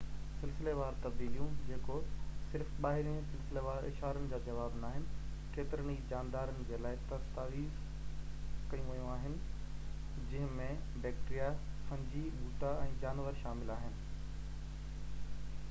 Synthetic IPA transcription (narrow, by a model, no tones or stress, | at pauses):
sɪlsɪleʋaːɾt̪ɐbd̪iːlijũd͡ʑeːkosɪɾfɓaːɦɪɾĩsɪlsɪleʋaːɾɪ̰ʃɦaːɾənɪ̆d͡ʑaːd͡ʑɐʋaːbnaːɦɪnɪ̆ | keːt̪ɪɾəñid͡ʑaːnd̪aːɾənɪ̆d͡ʑeːlaːɪt̪ɐst̪aːʋiːz | kɐjũʋɐjũaːɦɪnɪ̆ | d͡ʑɐ̃ɦɪ̃mẽbɛːk̚ʈɾijaxɐ̃ɲd͡ʑibuːʈaɛ̃ːd͡ʑaːnʋəɾʃaːmɪlaːɦɪnɪ̆